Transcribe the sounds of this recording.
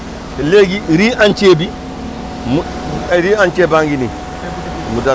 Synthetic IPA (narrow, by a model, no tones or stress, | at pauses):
leːɡiɾiʔant͡ʃeːbi | m | ɾiːant͡ʃebaŋɡini | muda